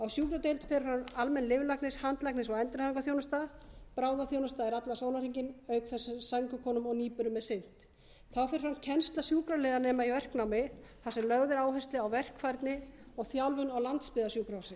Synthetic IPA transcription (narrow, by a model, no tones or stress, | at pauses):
awsjuːkɾat̪ejlt̪fɛɾfanalmɛnlɪvlaknɪshant̪laknɪsɔɣɛnt̪ʏɾnhaðiŋkaθjownʏst̪apɾaːwðaθjownʏst̪aɛɾat̪lasoːwnaɾ̥iɲcɪnœːɥkθɛsʏsaŋkʏkʰɔːnʏmɔɣniːpʏɾʏmːɛðsɪn̥t̪ | θawfɪɾ̥fancʰɛnst̪lasjuːkɾalɛːðanɛːmaivɛr̥knawmɪθasɛmlœɣðʏɾaːwɦɛst̪lɪawvɛr̥kfajɾt̪nɪɔɣθjawlvʏnawlant̪spɪðasjuːkɾawsɪ